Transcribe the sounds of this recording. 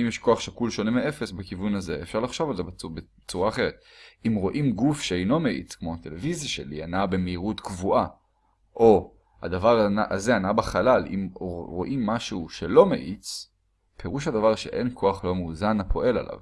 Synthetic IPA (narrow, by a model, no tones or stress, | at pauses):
imjeʃkoaχʃakulʃo̞nemeʔe̞fesbekivunaze̞efʃaʁlaχʃo̞valzebbe | t͡suʁaːχe̞ʁ̞et̪̚imʁo̞ʔimɡufʃeejno̞meʔḭt͡skmo̞at̪e̞le̞vizjaʃe̞̰lḭanabemeiʁut̪kvuʔa | ʔo̞ | ha̰d̪avaʁaʔazeanabeχalalʔḭmʁo̞ʔimːaʃuʃe̞lo̞mḛʔit͡s | pʰe̞ʁuʃhad̪avaʁʃe̞ʔenkʰo̞aχlo̞muːzanapʰo̞ʔe̞la̰lʔa̰v